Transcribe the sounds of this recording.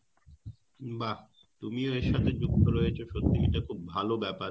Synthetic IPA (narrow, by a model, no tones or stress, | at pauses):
ba | t̪umioeʃːat̪ʰed͡ʑuk̚t̪ʰoɾɔet͡ɕʰoʃot̪ːiiʈakʰubːʱalobɛpaɾ